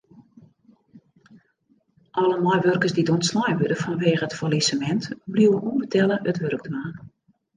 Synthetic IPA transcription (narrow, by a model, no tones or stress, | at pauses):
ʔɔləmɔjʋørkəsdidonslajʋødəfɔnʋeːɣəətfɔlisəmɛntbliwəʔunvətʰɛlˠəʔətʋørək̚dmaːn